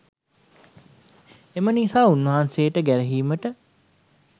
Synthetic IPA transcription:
emənisaːunːəɦansejəʈəɡæɾəɦiːməʈə

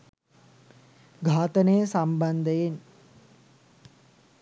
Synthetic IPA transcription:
ɡʱaːt̪ənəjəsamband̪əjen

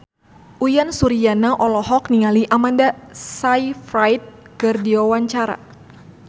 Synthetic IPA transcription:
ʔujansuɾijanaʔɔlɔɦɔkniŋaliʔamandasajfɾajt̪̚ | kɨrdiwawaɲt͡ʃaɾa̰

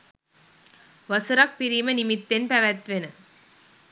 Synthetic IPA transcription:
ʋɐsuɾɐk̚pɪɾimɐnɪmɪt̪ːenpɛʋɐt̪ʋenɯ

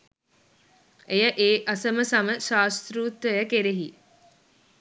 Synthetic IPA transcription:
ejəʔeːʔasəməsaməʃaːst̪ɾuːt̪ʋəjəkeɾeɦi

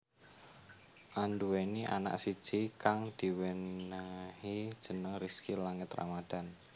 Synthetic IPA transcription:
ʔanduweniʔa̰na̰ʔsi̥ʒ̥ikaŋd̪̥i̤wenahid̥ʒ̥ə̤nəŋriskilaŋət̪ra̰mad̥a̤n

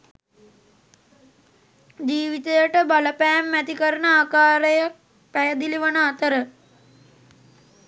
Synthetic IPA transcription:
d͡ʒiːʋit̪ejəʈəbaləpæːmːæt̪ikəɾəɳəaːkaːɾəjak̚ | pæjəd̪iliʋənəat̪əɾə

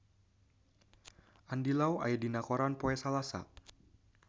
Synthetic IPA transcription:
ʔandilawa̰jɛdinakɔɾanpɔɛsalasa̰

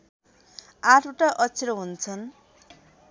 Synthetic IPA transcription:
aʈʰuʈaʔʌt͡sʰiɾʌɦunt͡sʰʌn

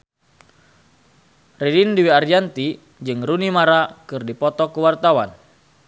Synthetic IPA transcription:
ridindiwiard͡ʒant̪i | d͡ʒɨŋrunimaɾakɨrdipɔt̪ɔkuwart̪awan

